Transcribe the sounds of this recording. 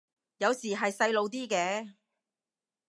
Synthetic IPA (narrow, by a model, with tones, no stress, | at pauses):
jɐ˨˧wsiː˨˩ɦɐ˨jsɐ˧jlo˨˧wt̪iː˥kɛː˧